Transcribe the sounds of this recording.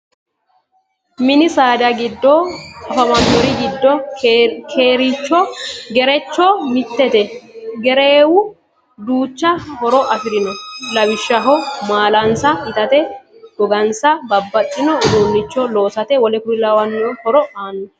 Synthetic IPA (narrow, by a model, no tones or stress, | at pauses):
mɪnɪsaːd̪ɐɡɪd̪ːɔkʼɐfɐmɐnɔɾɪɡɪd̪ːɔ | kʰeːɾɪt͡ʃːɔɡɛɾɛt͡ʃːɔmɪt̪ːɛt̪ɛɡɛɾeːwʊ | d̪uːt͡ʃːɐhɔɾɔʔɐfɪɾɪnɔlɐwɪʃːɐɦɔmaːlɐnsɐɪt̪ɐt̪ɛ | ɡ̥ɔɡɐnsɐbɐbːɐt͡ʃʼːɪnɔʊd̪unːɪt͡ʃːɔloːsɐt̪ɛwɔlɛkʊɾɪlawɐnːɪɔhɔɾɔaːnːɔ